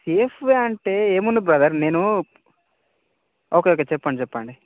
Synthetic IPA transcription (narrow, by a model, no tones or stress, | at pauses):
sefʋeɐɳʈeːeːmund̪ubɾɐd̪ɐɾneːnu | oːkeok̬ːet͡ʃɛpːɐɳɖit͡ʃɛpːaːɳɖi